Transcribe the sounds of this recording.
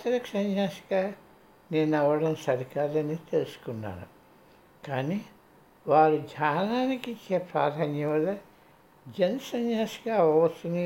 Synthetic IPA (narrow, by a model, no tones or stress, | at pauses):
t̪ɾɐksɐɲjaːsi̥kaː | neːnɐʋɐɽɐmsɐɾikaːlɐnit̪elusu̥kunːa̰ːnṵ | kaːni | ʋaːɾud͡ʒʱaːnaːnikit͡ʃːepɾaːd̪ʱaːɲjɐʋɐle | d͡ʒensɐɲjaːsi̥kaːʋɐʋɐt͡ʃ̪ːuni